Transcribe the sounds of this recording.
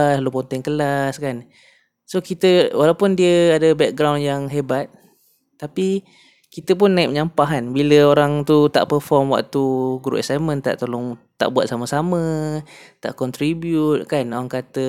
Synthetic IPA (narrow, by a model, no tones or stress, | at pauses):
lupɔnt̪ɪŋkəlaskan | sokit̪əwalawpʊndiəadəbɛk̚ɡɾawnjaŋɦebat̪̚ː | api | kit̪əp̬ʊnːaɪp̚ɲampaɦanbiləoɾaŋt̪ut̪a̰ʔpərfɔrmwa̰k̚t̪uɡɾṵʔɛsajmə̃nt̪a̰ʔt̪olɔŋ | t̪a̰ʔbuat̪̚saməsamə̃ | t̪a̰ʔkɔnt̪ɾibjut̪̚kanoɾaŋkat̪ə